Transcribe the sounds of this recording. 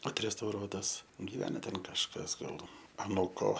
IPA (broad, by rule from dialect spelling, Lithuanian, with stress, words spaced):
ɐtʲrʲɛstɐʊˈroːtɐs ɡʲɪˈʋʲæːnɐ ˈtʲɛn kɐʃˈkɐs ˈɡɐlˠ ɐˈnuːkoː